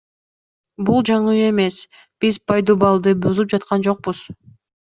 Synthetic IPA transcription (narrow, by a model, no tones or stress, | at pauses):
bulˠd͡ʒɑɴɯe̞mes | b̥izpʰɑjd̪obɑlˠd̪ɯbøzyp̚d͡ʒɑt̪qʰɑnd͡ʒo̞q̚buz̥